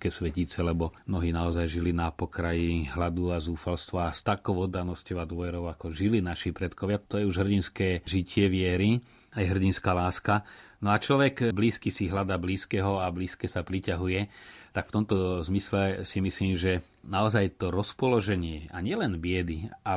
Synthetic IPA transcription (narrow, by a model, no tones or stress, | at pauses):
kɛːsʋɛcit͡sɛlɛbɔmnɔɦiːnaɔzajʒilinapɔkɾajiɦlad̪uazuːfalst̪ʋast̪akɔʊɔd̪anɔscɔʊad̪ʋɔʋɛɾɔʊakɔʒilinaʃipɾɛt̪kɔʋjat̪ɔjɛuʒɦr̩ɟinskɛːʒicɪɛʋɪɛɾi | ajɛɦr̩ɟinskaːlaːskanɔat͡ʃlɔʋɛkbliːskisiɦlad̪aːbliːskɛɦɔabliːskɛsapɾicaɦujɛt̪akft̪ɔmt̪ɔzmislɛsimisliːmʒɛ | naɔzajt̪ɔɾɔspɔlɔʒɛɲɪɛaɲɪɛlɛnbɪɛd̪ia